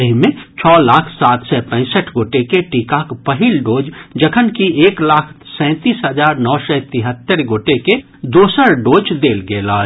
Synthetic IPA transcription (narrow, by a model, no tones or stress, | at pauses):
ɦimẽt͡ʃʰɔːlaːkʰsaːt̪sɛpɛ̃ɪsəʈʰɡʱoːʈekeʈiːkakpəɦilɖoːd͡ʒd͡ʒəkʰənkieːklaːkʰsɛ̃ːt̪iːsɦəd͡ʒaːɾnɔːsɛt̪ɪɦət̪ːəɾɡoːʈeke | d̪oːsəɾɖoːd͡ʒd̪eːlɡeːlaː